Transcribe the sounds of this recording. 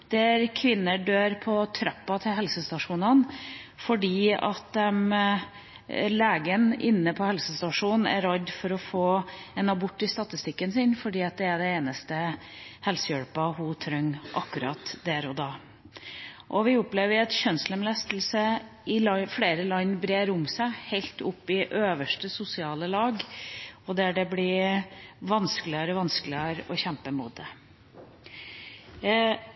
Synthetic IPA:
d̪̥æɾkʰʋɪnːəɖøːɾpʰɔt̪ʰɾɑpːɑt̪ʰɪlɦɛlsəst̪ɑʂuːnənfɔɖiːɑ̰t̪̚d̪ɛm | leːɡənɪ̰nːəpʰɔhɛlsəst̪ɑʂuːnn̩æ̰ɾɑd̪fɔɾɔfoːɛnɑbʊʈːɪst̪ɑt̪ɪst̪ɪkːənsɪnfɔɖiːɑt̪̚d̪ɛæɖɛeːnəst̪ə | hɛlsəjœɽpɑhʊt̪ʰɾœŋːʔɑ̰kːʉɾɑ̰t̪d̪æɾɔd̪ɑː | ʔɔʋɪʊpleːʋəɾɛt̪çœnsləmlɛst̪əl̩sə | ɪfleːɾəlɑŋnbɾeːɾʊmsæɪhæɪlt̪ʊpːɪʔøːʋəʂʈəsʊsɪɑːləlɑːɡɔd̪æɖɛblɪ | ʋɑnskəlɪəɾəʋɑnsklɪəɾɔçɛmpəmṵːd̪̚ə

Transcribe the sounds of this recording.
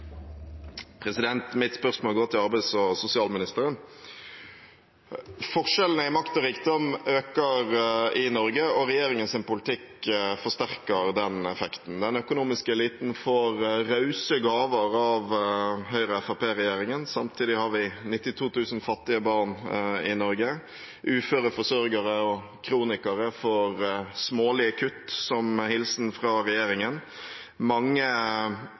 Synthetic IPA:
pʰɾɛsɪd̪ɛnt̪mɪt̪spœʁsmoːlɡoːt̪ʰɪlɑɾbæɪsɔsʊsɪɑːlmɪnɪst̪əɾən | fɔʁʂɛlnəɪmɑkt̪ɔɾiːk̚d̪ɔmøːkəɾɪnɔɾɡəɔɾɛjeːɾɪŋənsɪnpʊlt̪ʰɪkfɔst̪æʁkəʁd̪ɛnɛfɛkt̪n̩d̪ɛnœkʊnuːmɪskəɛliːt̪n̩fɔɾɾɑʉsəɡɑːʋəɾɑʋhœʏɾəɛfɑpeːɾɛjeːɾɪŋənsɑmt̪ʰiːd̪ɪhɑɾʋɪnɪt̪ːɪt̪ʰuːt̪ʰʉːsnfɑt̪ːɪəbɑɾnɪnɔɾɡə | ʔʉːføːɾəfɔsœɾɡəɾəɔ | kʰɾuːnɪkɑɾəfɔɾsmoːlɪəkʰʉt̪ːsɔmhɪlsn̩fɾɑɾɛjeːɾɪŋən | mɑŋːə

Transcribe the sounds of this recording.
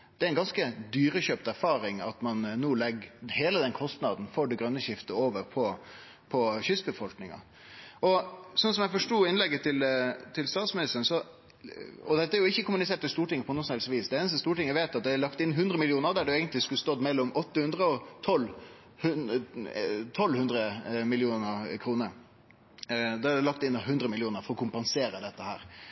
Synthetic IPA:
d̪̥ɛæɾɛnɡɑnskəd̪yːɾəɕøːpt̪æɾfɑːɾɪŋɑ̰t̪mɑnːuːlɛɡheːləd̪ɛnkʰɔst̪nɑ̰d̪n̩fɔɖɛɡɾœnːəɕɪft̪əoːʋəɾpʰɔ | pʰɔçʏsbəfɔlknɪŋɑ̰ | ɔsɔnsɔmjɛfɔʂʈuːɪnlɛɡːət̪ʰɪlt̪ʰɪlst̪ɑːt̪smɪnɪst̪ənsɔ | ɔd̪ɛt̪ːəæɾjʊɪçːəkʊmʉnɪseːʈ̪ɪst̪uːʈɪŋːəpʰɔnuːsɔnhɛlsʋiːsd̪ɛeːnəst̪əst̪uːʈɪŋːəʋeːt̪ɑt̪̚d̪ɛæɭɑkt̪ɪnːɦʉnd̪ɾəmɪljuːnəɾd̪æɖʉeːɡənt̪lɪskʉlst̪ɔd̪mɛlːɔmɔt̪ːəhʉnd̪ɾəɔt̪ʰɔl | hʉn | t̪ʰɔlːhʉnd̪ɾəmɪlɪuːnəɾkʰɾuːnəɾ | d̪ɑæɖɛlɑkt̪ɪnːɦʉnd̪ɾəmɪlɪuːnəɾfɔɾɔkʰʊmpɑnseːɾəd̪ɛt̪ːəhæ̰ːɾ

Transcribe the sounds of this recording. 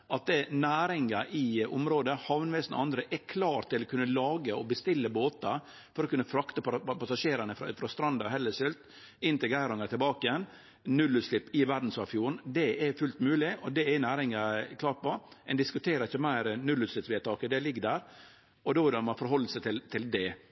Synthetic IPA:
ʔɑt̪̚d̪ɛnæːɾɪŋɑʔɪʊmɾoːd̪əhɑʋnʋɛsən̰ɑnd̪ɾəʔɛkʰlɑːɾt̪ʰːɪlɔkʰʉnːəlɑːɡəɔbəst̪ɪlːəboːt̪ɑ | fɔɾɔkʰʉnːəfɾɑkt̪əpɑpʰɑsɑʂeːɾənəfɾfɾɑst̪ɾɑnd̪ɑɾɦɛlːəsɪlt̪ | ɪnt̪ɪɡæɾʊŋət̪ʰɪlbɑːkɪjɛn | nʉlːʉt̪slɪpːɪʋæɾd̪n̩sɑfjuːnd̪ɛɛfʉlt̪mʉːlɪʔɔd̪ɛɛnæːɾɪŋɑkʰlɑːɾʈ̚pɔɛnd̪ɪskʉt̪ʰeːɾəɾɪçːəmæɪɾnʉlʉːt̪slɪpsʋɛːt̪ʰɑːkəd̪ɛlɪɡːəd̪æːɾ | ɔd̪oːʋɪɖ̪ɔmɑfɔɾɦɔlːsɛɪt̪ɪlt̪ʰɪld̪ɛ

